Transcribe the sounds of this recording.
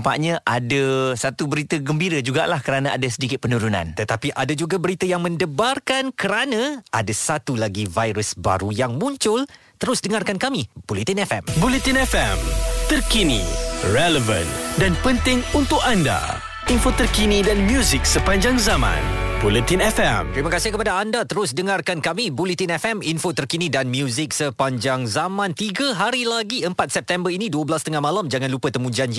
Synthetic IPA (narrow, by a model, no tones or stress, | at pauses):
mpa̰ʔɲãʔadasat̪ubəɾit̪əɡəmbiɾəd͡ʒuɡa̰ʔlahkəɾanaadasədikɪt̪̚pənuɾunã̰nt̪ət̪apiʔadad͡ʒuɡabəɾit̪əjaŋmə̃ndəbarkankəɾanãadasat̪ulaɡivajɾusba̰ɾujaŋmũɲt͡ʃʊl | t̪əɾʊsdəŋarkankamibolit̪inɛfɛmbulit̪inɛfɛmt̪ərkinḭrɛləvə̰ndanpənt̪ɪŋunt̪ʊkanda̰ | infot̪ərkinidanmjuzɪk̚səpaɲd͡ʒaŋzamã̰nbulit̪inɛfɛ̰mt̪ɾimãkasɪhkəpadaandat̪əɾʊsdəŋarkankamibulit̪inɛfɛminfot̪ərkinidanmjuzɪk̚səpaɲd͡ʒaŋzamãnt̪iɡaɦaɾilaɡiəmpat̪̚sɛp̚t̪ɛmbərinĩduəbəlast̪əŋahmalamd͡ʒaŋãnlupət̪əmũd͡ʒand͡ʒi